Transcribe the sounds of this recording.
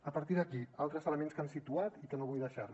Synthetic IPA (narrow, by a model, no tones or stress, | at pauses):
əpəɾt̪iðəkialˠt̪ɾəzələmenskansit̪uat̪ikənoβujðəʃar